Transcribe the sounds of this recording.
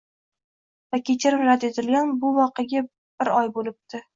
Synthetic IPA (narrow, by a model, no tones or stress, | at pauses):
vakʲʰet͡ʃʰɪɾɪmɾad̪e̞t̪ʰɪlɡʲanbʊvɒqeɡʲa | b̥ɪɾɒjbolɪp̚t̪ʰɪ